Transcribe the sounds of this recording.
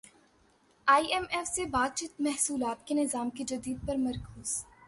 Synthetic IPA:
aːiɛmɛfsebaːd̪̚t͡ʃiːt̪mɛɦsuːlaːt̪kenɪzaːmked͡ʒɐd̪iːd̪̚pɐɾmɐɾkʰuːz̥

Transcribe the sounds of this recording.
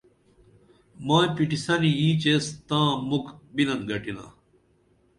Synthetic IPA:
mãːpiʈisɐniĩːt͡ɕeːst̪ãːmukbilɐnɡɐʈilã̰ː

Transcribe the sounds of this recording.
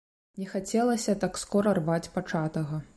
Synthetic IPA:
nʲɛxat͡sʲɛlˠɐsʲɐt̪akskɔɾɐrvat͡sʲpat͡ʂat̪ɐɣɐ

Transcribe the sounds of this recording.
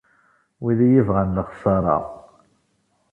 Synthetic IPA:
wiðijivʁənləχsɑɾˤɑ̰

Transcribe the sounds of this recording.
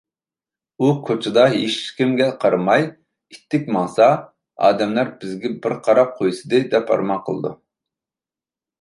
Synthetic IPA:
ukʰot͡ʃʰɪd̪ɑɦeʃkʲimɡʲɛqʰɑɾmɑj | it̪ʰːɪkʲmɑŋsɑ | ɑ̰ːd̪ɛmlæɾbɪzɡʲɛbɪɾqʰɑɾɑp̚qʰojsɨd̪ɨd̪ɛpɑ̰ɾmɑqʰəlˠɨ̰d̪ṵ

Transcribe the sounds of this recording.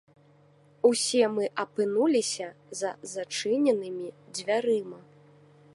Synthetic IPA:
usʲɛmɨʔɐpɨnulʲisʲɐzɐ̰zat͡ʂɨnʲɛnɨmʲid͡zʲvʲaɾɨmɐ

